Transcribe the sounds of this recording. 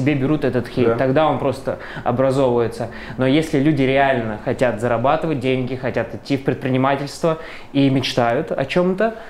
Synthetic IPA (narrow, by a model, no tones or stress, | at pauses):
ɪbʲebʲɪɾut̪ɛt̪ət̪xʲet̪ɐɡd̪aonpɾo̞st̪ə | ɐ̰bɾɐzo̞vʊjɪt̪sə | no̞jesʲlʲɪlʲʉdʲɪɾʲɪalʲnəxɐtʲat̪zəɾɐbat̪ɨvət̚ʲdʲenʲɡʲɪxɐtʲat̪ɪtʲːifpɾʲɪt̪pɾʲɪnʲɪmatʲɪlʲst̪və | imʲɪt͡ɕt̪ajʊt̪ɐ̰t͡ɕo̞mt̪ə